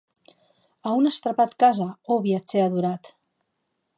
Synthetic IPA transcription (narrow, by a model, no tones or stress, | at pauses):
əunəst̪ɾapat̪kazəoβiat͡seaðuɾat̪